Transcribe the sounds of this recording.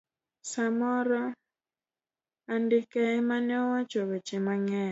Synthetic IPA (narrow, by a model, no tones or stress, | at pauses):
samɔɾɔ | andɪkɛmanɛɔwat͡ʃowet͡ʃɪmaŋɛ